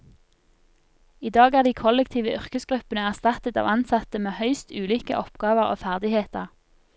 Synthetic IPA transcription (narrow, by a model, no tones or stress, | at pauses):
iːd̪ɑːɡæːʁd̪iːkʰɔlɛkt̪ʰiːʋəʔʏʁkəsɡʁʉpənəæʁst̪ɑt̪ət̪ɑ̰ːʋɑnsɑt̪əmeːhœʏst̪ʉːliːkə̰ʔɔpɡ̥ɑːʋəʁo̰ːfæʁd̪ɪheːt̪əʁ